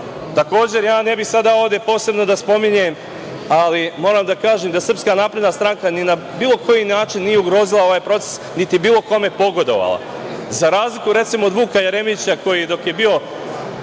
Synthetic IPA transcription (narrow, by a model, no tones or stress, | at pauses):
t̪ako̞ːd͡ʑe̞ɾjaːne̞bixsad̪ao̞vd̪e̞po̞ːse̞bno̞d̪aspo̞miɲem | alimo̞ːɾamd̪akaːʒemd̪asər̩pskanaːpɾe̞d̪nast̪ɾaŋkanina | biːlˠo̞kʰo̞jinaːt͡ʃinːijeuɡɾo̞ːzilˠao̞ʋaːjpɾo̞t̪se̥snit̪ibiːlˠo̞ko̞me̞po̞ɡo̞d̪o̞̰ʋa̰lˠa̰ | zaɾaːzlikuɾe̞t̪simoːd̪ʋuːkajeɾe̞mit͡ɕako̞jid̪o̞kje̞bio̞